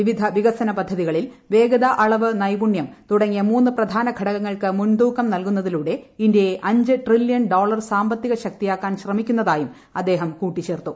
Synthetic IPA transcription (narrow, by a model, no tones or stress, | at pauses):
ʋiʋid̪ʱɐʋiɣɐsɐnɐpɐd̪ʱːɐðiɣɐɭilʋe̞ːɡɐðɐʔɐɭɐʋɨnɐjbuɳjɐmt̪uɽɐŋːijɐmuːnːɨprɐd̪ʱaːnɐɡʱɐɽɐɣɐŋːɐɭkɨmund̪uːkːɐmnɐlkun̪ːɐðiluːɽe̞indeeʔɐɲd͡ʑɨʈriljɐnɖo̞ːɭɐrsaːmbɐt̪ːiɣɐɕɐk̚t̪ijaːkːaːnɕrɐmikʲːunːɐðaːjum | ɐd̪ːe̞ːɦɐmkuːʈːit͡ɕe̞ːrt̪u